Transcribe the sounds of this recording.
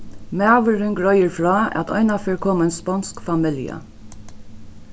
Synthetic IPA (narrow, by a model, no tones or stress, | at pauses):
mæʋəɾʏŋɡɹœʏəɹfɹɑːɑ̰t̪ʰɔ̰ʏnɑføːɹkʰɔːmɛnspɑnskfɑmɪljə̰